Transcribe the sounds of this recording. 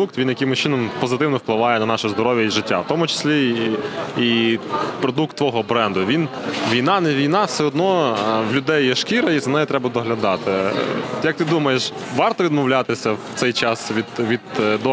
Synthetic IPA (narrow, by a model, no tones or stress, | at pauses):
ukt̪ʋʲinjɐkɪmʊsʲt͡ʃɪnɔmpɔzɪt̪ɪwnɔwplˠɪʋɑjɛnɐnɑʃɛzd̪ɔɾɔʋʲjɐiʒɪtʲːa̰wt̪ɔmʊt͡ʃɪ̥sʲlʲi | ipɾɔd̪uk̚t̪ːʋɔɦɔbɾɛnd̪ʊʋʲinʋʲijnɑnɛʋʲijnɑfsɛɔd̪nɔwlʲʊd̪ɛjːɛʃkʲiɾɐizɐnɛjɛt̪ɾɛbɐd̪ɔɦlʲɐd̪ɑt̪ɪjɐk̚t̪ɪd̪umɐjeʃʋɑrt̪ɔʋʲid̪mɔwlʲat̪ɪsʲɐwt̪sɛjt͡ʃɑsʋʲid̪ʋʲid̪d̪ɔ